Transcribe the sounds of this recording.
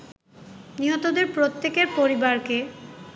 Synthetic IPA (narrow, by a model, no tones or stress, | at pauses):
niɦot̪od̪eɾpɾot̪ːekeɾpoɾibaɾke